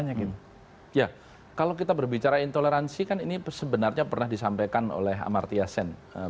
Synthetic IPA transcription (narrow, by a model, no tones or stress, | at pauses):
ɲakit̪ | ja | kalokit̪abərbit͡ʃaɾaint̪oleɾansikaninisəbənarɲapərnahdisampajkano̰lɛɦa̰ma̰rt̪iasɛnə